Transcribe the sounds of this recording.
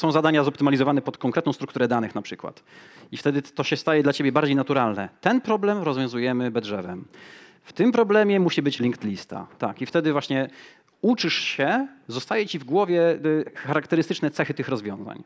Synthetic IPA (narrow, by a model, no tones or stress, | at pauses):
sɔ̃w̃zad̪aɲazɔp̚t̪ɘmalʲizɔvanɛpɔt̪kɔ̃ŋkɾɛt̪nɔ̃w̃st̪ɾukt̪uɾɛd̪anɘxnapʂɘkwa̰t̪ift̪ɛd̪ɘt̪ɔɕɛst̪ajɛd̪lat͡ɕebʲjɛbaɾd͡ʑejnat̪uɾalnɛ̰t̪ɛnpɾɔblɛmɾɔzvʲjɔ̃w̃zujɛmɘbɛd̪ʐɛvɛ̰m | ft̪ɘmpɾɔblɛmʲjɛmuɕibɘt͡ɕlʲiŋkt̪lʲist̪a̰t̪akift̪ɛd̪ɘvwaɕɲɛ | ut͡ʂɘʂɕɛzɔst̪ajɛt͡ɕivɡwɔvʲjɛxaɾakt̪ɛɾɘst̪ɘt͡ʂnɛt̪sɛxɘt̪ɘxɾɔzvʲjɔ̃za̰ɲ